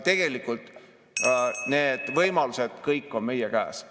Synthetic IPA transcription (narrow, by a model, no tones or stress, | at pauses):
t̪e̞ɡ̥e̞likːˑult̪ˑ | ne̞ːd̪̥vɤjmɑlused̪̥kɤjkːˑo̞nme̞jekæːs